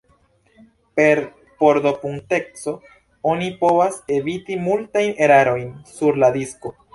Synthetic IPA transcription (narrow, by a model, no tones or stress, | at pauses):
pe̞ɾ | poɾdo̞puŋte̞k̚so̞ | o̞nipo̞vase̞vitimultajne̞ɾaɾo̞jnsuɾladisko̞